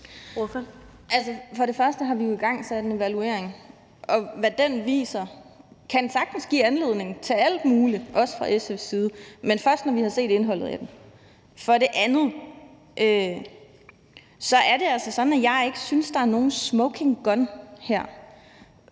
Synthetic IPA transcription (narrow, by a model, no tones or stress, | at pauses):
ʔælsəfɒ̽ɾe̝fɶɐsd̥əɦɑ̈ʋijo̝iɡ̥ɑ̈ŋ̰sæd̥ene̝ʋælue̝̰ɐeŋ | ʔɒ̽ʋæd̥enʋḭːsɐkʰænsɑ̈ɡ̥̚d̥n̩sɡ̥ḭːænle̝ðˠne̝ŋ̩t͡sʰe̝læl̰d̥muːliʔɒ̽sə̥fʁɑ̈ʔesefsiːð̞ˠəmenfɶɐsd̥nɒʋihɑ̈se̝̰ːd̥e̝nɦɒ̽l̰ð̩ˠæd̥en | fɒ̽ɾe̝ʔænð̩ˠ | ʔø | sɒ̽æɐɾe̝ælsɐsɒ̽næjɑ̈ɪe̝ɡ̥əsynsd̥ɑ̈æɐno̝ːn̩smɔʊkʰe̝ŋɡ̥ɒ̽nhæɐ̰